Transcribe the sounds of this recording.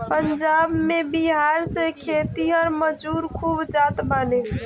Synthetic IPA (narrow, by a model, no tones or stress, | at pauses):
pənd͡ʒabmebiɦaɾsẽkʰet̪iɦəɾməd͡ʒuɾkʰubd͡ʒat̪bane